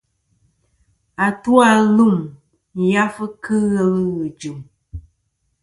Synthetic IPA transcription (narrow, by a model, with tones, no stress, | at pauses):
a˨tu˦a˦lu˦˨m | ja˦fə˦kɨ˦ɣə˦lɣɨ˨d͡ʒu˨m